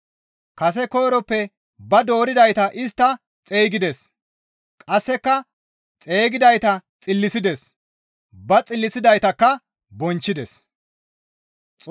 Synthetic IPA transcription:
kɐs̬ɛko̞ːɾɔpːɛ | bɐd̪o̞ːɾɪd̪ɐjt̪ɐʔɪst̪ːɐ | t͡sʼeːɡɪd̪ɛs | kʼɐsːɛkːɐ | t͡sʼe̞ːɡɪd̪ɐjt̪ɐt͡sʼɪlːɪsɪd̪ɛs | bɐt͡sʼɪlːɪsɪd̪ɐjt̪ɐkːɐ | bɔnt͡ʃːɪd̪ɛs | t͡sʼ

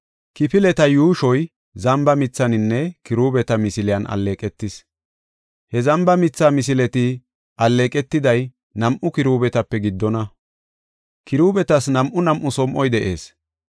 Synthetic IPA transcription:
kɪpɪlɛt̪ɐjuːʃɔj | zɐmbɐmɪt͡sːɐnɪnːɛkɪɾuːbɛt̪ɐmɪsɪlɪɐnɐ̰lːeːkʼɛt̪ːɪs | hɛzɐmbɐmɪt͡sːaːmɪs̬ɪlɛt̪ɪ | ʔɐlːeːkʼɛt̪ːɪd̪ɐj | nɐmʔʊkɪɾuːbɛt̪ɐpːɛɡɪd̪ːɔnɐ | kɪɾuːbɛt̪ɐsnɐmʔʊnɐmʔʊsɔmʔɔjd̪ɛʔḛːs

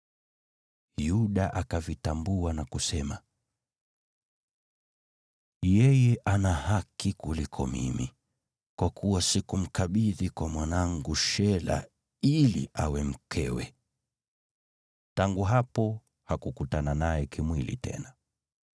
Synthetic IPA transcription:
juɗaʔakavitambuanakusɛma | jɛjɛʔanahakʰikulikʰɔmḭmi | kwakʰuwasikum̩kaɓiðikwamwanaŋɡuʃɛla̰ | ilḭʔawɛm̩kʰɛwɛ̰ | taŋɡuɦapɔ | hakukutananajɛkimwilḭtʰɛ̰na

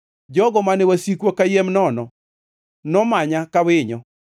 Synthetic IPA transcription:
d͡ʒɔɡɔmanɛwasikwokajemnɔnɔ | nɔmaɲakawɪɲɔ

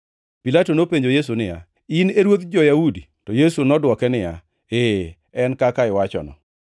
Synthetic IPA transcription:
pilatonopeɲd͡ʒojes̬unɪja̰ | ɪneɾwot̪d͡ʒɔjaudi | tɔjesunɔdwɔkɛnɪja̰ | e | ɛnkakaɪwat͡ʃɔ̰nɔ̰

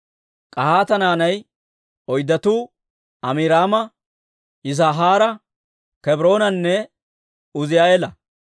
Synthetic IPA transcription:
kʼɐhaːt̪ɐnaːnɐj | ɔjd̪ːɐt̪uː | ɐmɪɾaːmɐ | ɪz̬aːɦaːɾɐ | kɛbɾo̞ːnɐnːɛ | ʊzɪjaːelɐ

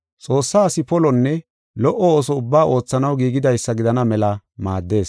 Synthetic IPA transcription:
t͡sʼo̞ːsːaːsɪpɔlɔnːɛ | lɔʔɔoːsɔʊbːaːʔo̞ːt͡sːɐnɐwɡiːɡɪd̪ɐjsːɐɡɪd̪ɐnɐmɛlɐma̰ːd̪ːe̞ːs

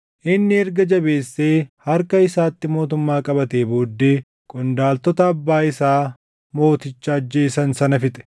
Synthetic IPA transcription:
ʔɪnːɪɛɾɡɐd͡ʒɐbe̞ːsːe̞ːhɐɾkɐɪsaːt̪ːɪmo̞ːt̪ʊmːaːkʼɐbɐt̪e̞ːboːd̪ːeː | kʼʊnd̪aːlt̪ɔt̪ɐɐbːaːɪsaː | mo̞ːt̪ɪt͡ʃːaːd͡ʒːe̞ːsɐnsɐnɐfɪt̪ʼɛ̥

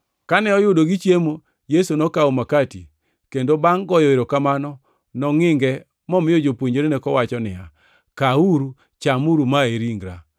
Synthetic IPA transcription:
kanɛɔjʊdoɡit͡ʃjemo | jesonɔkaomakati | kendobaŋɡɔjɔeɾokamanɔ | nɔŋɪŋɡɛ | mɔmɪjod͡ʒopwoɲd͡ʒoɾenɛkɔwat͡ʃɔnɪ̰ja | kauɾu | t͡ʃamuɾumaeɾiŋɡɾa

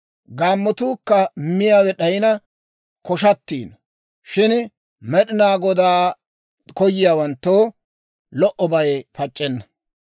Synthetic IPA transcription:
ɡaːmːɔt̪uːkːɐmɪjaːwɛɗɐjɪnɐ | kɔʃɐt̪ːḭːnɐ | ʃɪn | mɛɗɪnaːɡɔd̪aː | kɔjːɪjaːwɐnt̪ːoː | lɔʔɔbɐjpɐt͡ʃʼːɛnːɐ

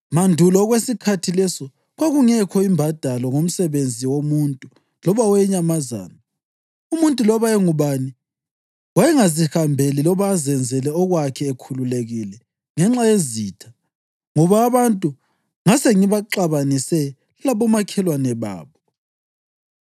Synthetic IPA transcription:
mandʱulɔɣwesikʰatʰilɛsɔ | ɣwaɣuŋɛkʰɔimbʱad̥ʱalɔŋom̩sɛβend͡zʱiwomuntʼu | lɔβawɛɲamaza̰ːna | umuntʼulɔβaɛŋuβani | wajɛŋazihambʱelilɔβaːzɛnd͡zʱɛlɛɔɣwakʰɛːkʰululeɣilɛ | ŋɛŋ͡ǁajeziːtʰḁ | ŋɔβaːβantʼu | ŋaseŋiβaǁaβanisɛ | laβɔmakʰɛlwanɛβa̰ːβɔ

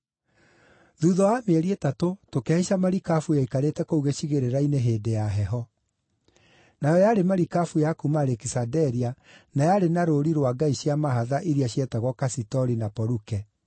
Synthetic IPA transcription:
ðuðɔwameɾietatotokɛiʃamaɾikafujaikaɾetɛkouɣeɕiɣeɾeɾaineɦeːdejaɦɛɦɔ | najɔjaɾemaɾikafujakumaɾɛkisadɛɾia | najaɾenaɾoɾiɾwaɡaiɕiamaɦaðaʔiɾiaɕjɛtaɣwɔkasitɔɾinapɔɾukɛ

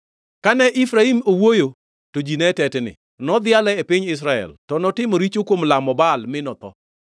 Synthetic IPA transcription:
kanɛʔifɾaimowojo | tod͡ʒinɛtɛtnɪ̰ | nɔd̪ɪalɛepɪɲɪs̬ɾaɛ̰ltɔnɔtɪmoɾit͡ʃokwomlamɔbalmɪnɔt̪ɔ̰

